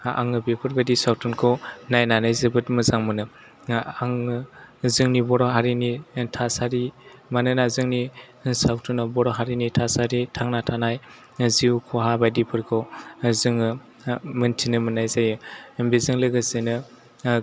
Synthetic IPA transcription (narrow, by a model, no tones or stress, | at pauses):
a̰ŋɯbepʰɯɾbajdisawtʰunkʰɔnajnanajzebɯtmɯzaŋmɯnɯ | aŋ | zɯŋnibɔɾɔɦaɾinitʰasaɾimanɯnazɯŋni | nsawtʰunɔbɔɾɔɦaɾinitʰasaɾitʰaŋnatʰanaj | ziwkʰɔɦabajdipʰɯɾkʰɔzɯŋɯ | mɯntʰinɯmɯnajzajɯbezɯŋlɯɡɯzenɯ